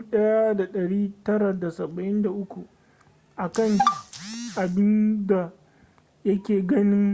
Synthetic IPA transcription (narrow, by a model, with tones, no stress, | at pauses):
ɗɐ˦ja˦da˨ɗɐ˨ɽiː˦tɐ˦ɾa˨da˨sɐ˨bɐ˨ʔɪ˦nda˨ʔʊ˦kʷu˨ | ʔa˨kɐ˦ŋ | ʔa˨bɪ˦nda˨ | jɐ˦kʲeː˨ɡɐ˦nɪ˦ŋ